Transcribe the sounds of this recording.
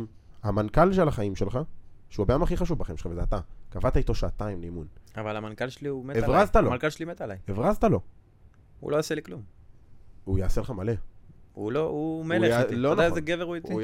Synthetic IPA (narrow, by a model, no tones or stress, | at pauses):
hamankalʃelaχaimʃelχaʃeuabejamaχiχaʃuvbaχḭmelχavezeat̪akavat̪ait̪o̞ʃaːt̪aimleimunavalamankalʃeliumeevʁazt̪aloalkalʃelimet̪alajevʁazt̪alo̞ | ṵloaseliklum | ujaaseleχamale̞uloumelelodnazeɡeveʁujet̪i